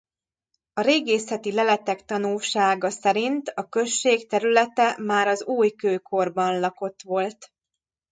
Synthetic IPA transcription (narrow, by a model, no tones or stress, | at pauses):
ɒɾeːɡeːsɛt̪ilɛlɛt̪ɛkt̪ɒnulʃaːɡɒsɛɾint̪ɒkø̞ʃːeːkt̪ɛɾylɛt̪ɛmaːɾɒzuːjkøːkʰo̞rbɒnlɒko̞t̪ʋo̞lt̪